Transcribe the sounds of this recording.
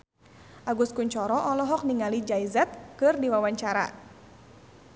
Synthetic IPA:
ʔaɡuskuɲt͡ʃɔɾɔʔɔlɔɦɔk̚niŋalid͡ʒaizɛt̪̚kɨrdiwawaɲt͡ʃaɾa̰

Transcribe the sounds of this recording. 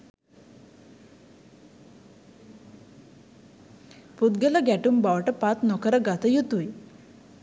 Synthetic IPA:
pud̪ɡelaɡæʈuːmbaʋʈəpat͡s̪nɔkəɾəɡat̪əjut̪uj

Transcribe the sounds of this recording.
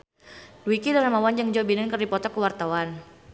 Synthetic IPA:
dwikidalamawand͡ʒaŋd͡ʒɔbinənkərdipɔt̪ɔkəwart̪awan

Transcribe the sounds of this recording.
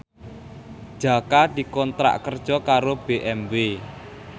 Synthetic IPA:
d̥ʒ̥a̤kad̪̥i̤kɔnt̪ɾa̰ʔkərd̥ʒ̥ɔ̤kaɾob̥eʔɛmbe

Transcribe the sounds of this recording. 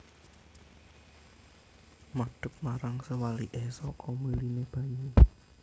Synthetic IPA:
maɖ̥ʊk̚maɾaŋsəwaliʔesɔkɔmulineb̥a̤ɲe

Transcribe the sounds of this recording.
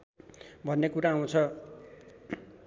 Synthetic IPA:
bʱʌnːekuɾaaw̃t͡sʰʌ

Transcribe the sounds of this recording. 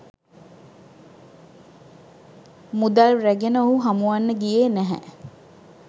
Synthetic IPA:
mud̪alræɡenəoɦuɦamuʋanːəɡijeːnæɦɛ̰

